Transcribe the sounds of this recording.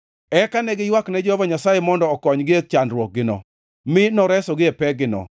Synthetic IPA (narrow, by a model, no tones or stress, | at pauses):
ɛkanɛɡɪjwaknɛd͡ʒɔhɔvaɲasajemɔndɔːkɔɲɡɪek̚t͡ʃandɾwɔk̚ɡɪnɔ̰ | mɪnɔɾɛsɔɡɪɛpɛɡɪnɔ̰